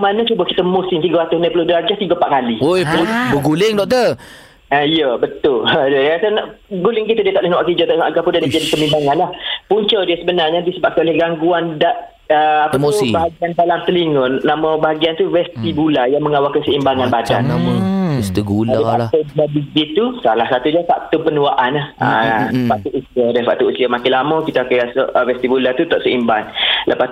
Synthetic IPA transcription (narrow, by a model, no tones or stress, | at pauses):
manat͡ʃubəkit̪əmosint̪iɡawat̪ʊsnapəludəɾad͡ʒat̪iɡəpa̰ʔkaliojbəɡulɪŋdɔk̚t̪ə | aijəbət̪ʊlədədaasanaɡulɪŋkit̪ədiət̪aʔlɛhnawaʔkid͡ʒɔt̪aaɡapundianad͡ʒadipəmimbaŋanlahpuɲt͡ʃɔdiəsəbənarɲadisəbap̚kanolɛhɡaŋɡuandaʔ | əapəmibaɦaɡiandalamt̪əliŋʊnnamɔ̃baɦaɡiant̪uvɛst̪ibulajaŋməŋawakasəimbaŋanbada̰n | ɛst̪iɡulaaʔt̪ubulabiɡit̪usalahsat̪ud͡ʒafaʔt̪upənũaʔanahə̰faʔt̪uʔusiadafa̰ʔt̪uusiamakɪlamɔkit̪akəasoʔvɛst̪ibulat̪ut̪ɔʔsəimbanləpa